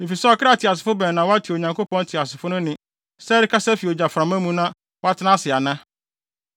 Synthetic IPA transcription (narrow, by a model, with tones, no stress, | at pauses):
nɪ̃˨fi˨sɛ˦ɔ˨kʰɪ˦ɾa˦tʰɪ˨a˨s̬ɪ̥˨fʊ˦bɛ̃˨nã˨wɔ˦a˦tʰi˨o˨ɲã˨ŋkʰo˦pɔ̃˦n˦tʰɪ˨a˨sɪ˨fʊ˦nʊ̃˦nɪ̃˨ | sɛ˦ɾɪ˦kʰa˦sɛ˦fi˨o˨d͡ʑa˨fɾã˨mã˦mũ˦nã˦ | wɔ˦a˦tʰɪ˦nã˦sɪ˨a˨nã˦